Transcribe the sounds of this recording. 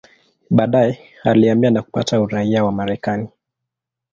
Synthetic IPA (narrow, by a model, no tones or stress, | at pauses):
ɓaːɗajɛ | aliambianaku̥pa̰tauɾaiawamaɾɛkani